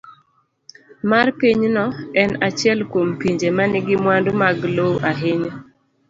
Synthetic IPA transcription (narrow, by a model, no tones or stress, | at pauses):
marpiɲnɔɛnat͡ʃɪɛlkwompiɲd͡ʒemanɪɡɪmwandumaɡloʔaɦɪɲo